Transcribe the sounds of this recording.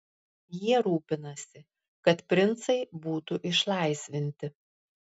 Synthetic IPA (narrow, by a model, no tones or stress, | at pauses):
jiɛɾuːpʲɪnɐsʲɪ | kɐt̪pʲɾʲɪnˑt̪sɐɪbuːt̪uʔɪʃlˠɐˑɪsʲʋʲɪnʲt̪ʲɪ